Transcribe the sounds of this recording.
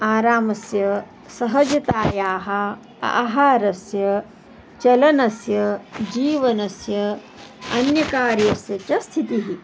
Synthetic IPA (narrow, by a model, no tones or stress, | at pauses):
aːɾaːmɐsjɐ | sɐɦɐd͡ʒɐt̪aːjaːɦɐ̆ | a̰ʔɦaːɾɐsjɐ | t͡ʃɐlɐnɐsjɐd͡ʒiːʋɐnɐsjɐ | ɐnjɐkaːɾjɐsjɐt͡ʃɐst̪ʰit̪iɦi